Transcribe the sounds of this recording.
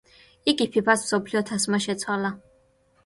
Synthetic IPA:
iɡʼipʰipasmsɔpʰliɔt̪ʰasmaʃɛt̪sʰwala

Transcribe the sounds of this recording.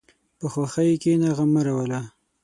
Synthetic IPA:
pəxwaxəjkenaɣamaɾawəla

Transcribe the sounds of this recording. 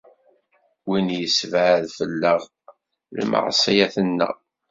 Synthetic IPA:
winjəsvʕðfəlːəʁ | lmɑ̰ʁsˤijaθənːə̰

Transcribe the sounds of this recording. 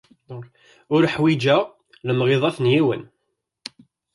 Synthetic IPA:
ʊɾħwid͡ʒə | ləmʁeðˤɑθnjiwə̰n

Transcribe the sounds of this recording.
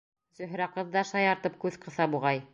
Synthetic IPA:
sɵ̆ɦɾæqɤ̆ðːɑʃɑjɑɾt̪ɤp̚kʉðqɤ̆θɑbuʁɑj

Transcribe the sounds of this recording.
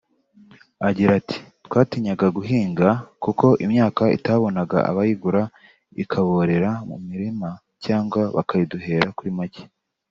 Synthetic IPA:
aɟiɾatʰi̥tkwaːtiɲaɡaɡuɦiːŋɡakuko̞ʔimɲaːkaḭtaβo̞naɡa̰a̰βajiɡuɾa | ḭkʰaβo̞ɾe̞ɾamṵmiɾima | caːŋɡwaβa̰kajiduɦe̞ɾakuɾimace̥

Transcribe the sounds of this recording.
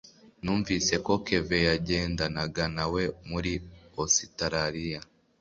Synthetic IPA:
nuːɱviːse̞ko̞ke̞ve̞jaɟe̞ːndanaɡanawe̞muɾiositaɾaɾija

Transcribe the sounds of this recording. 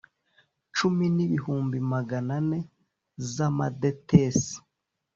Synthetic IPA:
t͡ʃuminiβihuːmbimaɡanane̞ | zamadetes

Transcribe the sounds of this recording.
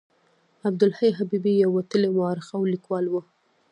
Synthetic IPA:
ab̚d̪ʊlhajɦabibijawːat̪əlemʊɑɾɪxawlikwɑlwə

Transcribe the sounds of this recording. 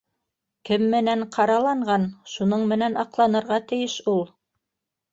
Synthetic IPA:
kɘmːɘ̆næɴqʰɑɾɑlˠɑɴɢɑnʃunɤɴmɘ̆nænɑqlˠɑnɤ̆ɾʁɑt̪ɘ̆jɘʃulˠ

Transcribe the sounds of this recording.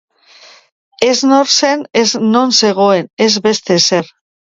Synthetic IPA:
eznoɾseneznõnse̞ɣ̞o̞enezβe̞st̪eseɾ

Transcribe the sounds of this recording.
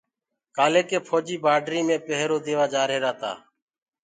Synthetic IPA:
kaːleːkeːpʰoːd͡ʒiːbaːɖɾiːmẽːpəɦɾoːd̪eːʋaːd͡ʒaːɾeːɾaːt̪a̰ː

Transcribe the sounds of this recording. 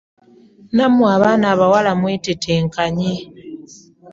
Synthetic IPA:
namwaβaːnaːβawalamweːtetʰeːŋkaɲe

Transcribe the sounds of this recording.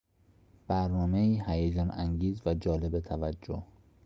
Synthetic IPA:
b̥æɾnɒːme̞iːhæjed͡ʒɒːnæŋɟiːzvæd͡ʒɒːlebet̪ʰævæd͡ʒːo̰h

